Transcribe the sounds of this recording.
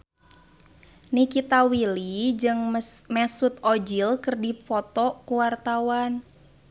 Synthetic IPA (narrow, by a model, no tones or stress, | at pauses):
nikit̪awilid͡ʒɨŋmɛsut̪od͡ʒilkərdifɔt̪ɔkuwart̪awan